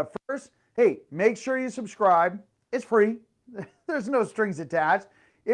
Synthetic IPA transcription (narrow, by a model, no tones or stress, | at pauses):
fɜ˞st̚ | heɪmeɪkʃʊɹjɨsəbskɹaɪb̚ | ɨtsfɹi | ðə˞znoʊstɹ̥ɪ̃ŋzɨtʰæt͡ʃ | ɪ